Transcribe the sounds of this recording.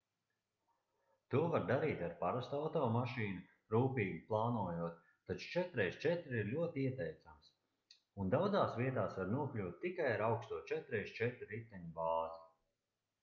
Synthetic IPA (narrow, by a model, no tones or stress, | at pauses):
t̪uɔvaɾd̪aɾiːt̪aɾpaɾast̪awt̪ɔːmaʃiːnu | ɾuːpiːɡiplˠaːnuɔjuɔt̪̚ːat͡ʃu̥t͡ʃɛt̪ɾɛjst͡ʃɛt̪ɾiɾlʲuɔt̪iiɛt̪ɛjt̪sams | und̪awd̪zaːsviɛt̪aːsvaɾnuɔklʲuːt̪̚ʲtːikajaɾawkst̪uɔt͡ʃɛt̪ɾɛjst͡ʃɛt̪ɾɾit̪ːɛɲubaːzi